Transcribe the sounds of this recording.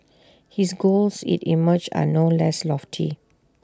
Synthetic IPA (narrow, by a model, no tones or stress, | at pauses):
hisɡolsḭ̃tḭməd͡ʒa̰nolɛslɔftʰḭ